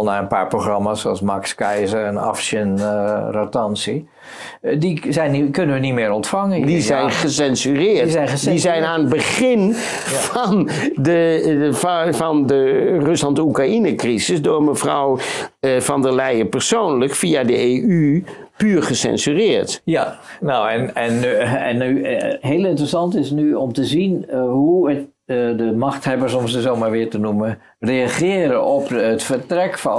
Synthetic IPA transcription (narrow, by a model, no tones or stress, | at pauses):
naənpa̰ːɹproχrɑmasolsmakskɛjzərənɑ̰fsjənratɑnsi | dizɛjnkønənʋənitmɪːɾɔntfaŋədizɛjnχəsɛnsyrɪːtdizɛjnaːnəd̚bəχɪn | fɑn | də | fɑndərɵslɑntəukrainəkrizəsdʊːrməfrɔ̰wəfɔndəlɛjəpərsoːnləkfiadəeːʔypyːrχəsɛ̰nsyrɪːrtjnowɛnɛnɛnːyɦeːlˠɪntrəsɑntɪsnyɔmtəzinɦuət | dəmaxthɛbəɹsɔmsəzoːmaɹʋɪəɹtənumə | rejaχɪːəɾəɔpətfərtrɛkf